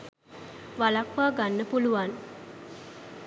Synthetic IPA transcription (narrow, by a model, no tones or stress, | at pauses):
ʋalakʋaːɡanːəpuluʋan